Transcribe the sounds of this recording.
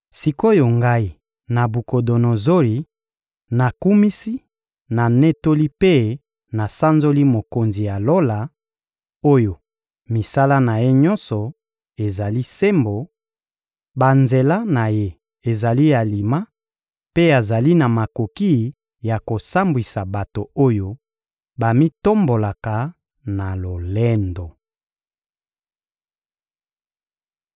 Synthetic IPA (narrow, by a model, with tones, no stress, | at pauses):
si˨ko˦jo˨ŋɡa˦i˦˨ | na˨bu˨ko˨do˨no˨zo˦li˨ | na˨ku˦mi˦si˦ | na˨ne˦to˦li˦pe˦ | na˨sa˦nzo˦li˦mo˨ko˨nzi˨ja˨lo˦la˨ | o˦jo˨ | mi˨sa˦la˦na˨je˦ɲɔ˦nsɔ˨ | e˨za˨li˦se˦mbo˨ | ba˨nze˨la˦na˨je˦ | e˨za˨li˦ja˨li˨ma˦ | pe˦a˨za˨li˦na˨ma˨ko˨ki˦ | ja˨ko˨sa˦mbwi˨sa˨ba˨to˨o˦jo˦ | ba˨mi˦to˦mbo˨la˨ka˨ | na˨lo˨le˦ndo˨